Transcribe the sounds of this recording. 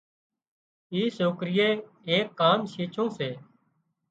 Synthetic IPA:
iːsoːkɾɪjeː | eːkːaːmʃiːt͡ʃʰõːseː

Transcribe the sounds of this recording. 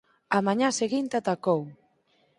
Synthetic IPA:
amaɲãseɣint̪eat̪akow

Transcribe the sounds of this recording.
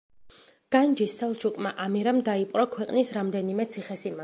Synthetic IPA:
ɡ̥and͡ʒisːɛlˠt͡ʃʰukʼmaʔamiɾamd̪aipʼɾɔkʰwɛqʼnisɾamd̪ɛnimɛt̪sʰiχɛsima

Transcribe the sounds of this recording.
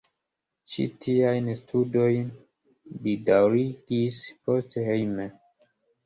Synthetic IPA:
t͡ʃḭtʰiajnstʰudo̞jn | bidawɾiɡispostehejme

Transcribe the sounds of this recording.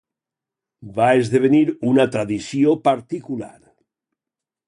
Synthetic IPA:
baezðeβ̞eniɾunat̪ɾaðisjopaɾt̪ikula̰ɾ

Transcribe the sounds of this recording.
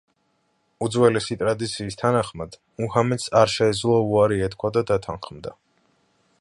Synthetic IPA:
ud̪zwɛlɛsit̪ʼɾad̪it̪sʰiːst̪ʰanaχmad̪̥ | muhamɛt̪saɾʃɛːd̪zlˠɔuaɾiɛt̪kʰwad̪ad̪at̪ʰanχmd̪a

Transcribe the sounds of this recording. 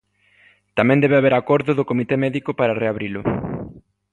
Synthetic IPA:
t̪amɛ̃nd̪ɛβaβeɾakɔɾðʊðʊkomit̪emɛðikʊpaɾareaβɾilʊ

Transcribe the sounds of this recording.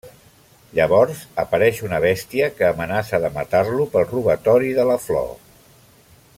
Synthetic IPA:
ʎəβ̞ɔɾzəpəɾɛʃunəβ̞ɛst̪iəkəːmənasəðəmət̪arlupəlˠruβət̪ɔɾiðələflɔ̰

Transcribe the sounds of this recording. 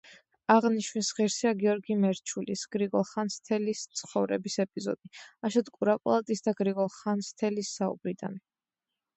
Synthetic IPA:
aʁniʃnisʁiɾsiaɡiɔɾɡimɛɾt͡ʃʰulḭsɡ̥ɾiɡɔlˠχanst̪ʰɛlist̪sʰχɔvɾɛ̰bisɛpʼizɔ̰d̪̥iaʃɔt̪kʼuɾapʼa̰lˠat̪ʼisd̪aɡɾiɡɔlˠχanst̪ʰɛlisːaṵb̥ɾid̪a̰ni

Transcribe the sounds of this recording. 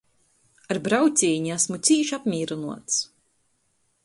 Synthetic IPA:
aɾbɾawt̪sʲiːɲiæsmut̪siːʃapmʲiːɾunuɔt̪s

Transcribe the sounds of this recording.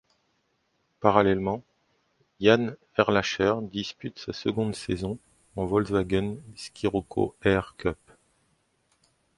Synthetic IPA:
paʁalɛlmɑ̃ | jan | ɛʁlaʃɛʁd̪ispyt̪sasəɡɔ̃d̪sezɔ̃ | ɑ̃vɔlzvaɡɔnskʲʰiʁɔkʰo̰ɛʁkœp

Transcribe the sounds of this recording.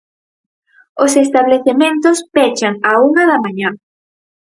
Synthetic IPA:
osest̪aβleθemẽnt̪ospet͡ʃaŋauŋɐðamaɲa

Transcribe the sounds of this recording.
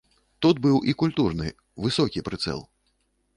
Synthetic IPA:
t̪ud̪̚bɨwʔikulʲt̪urnɨ̰ | vɨsɔkʲipɾɨt̪sɛ̰lˠ

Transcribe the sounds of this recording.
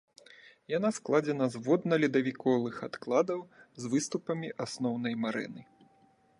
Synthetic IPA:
janasklˠad͡zʲɛnɐzvɔd̪nɐlʲid̪ɐvʲikɔlˠɨxat̪klˠad̪ɐwzvɨst̪upɐmʲiʔasnɔwnɐjmaɾɛ̰nɨ

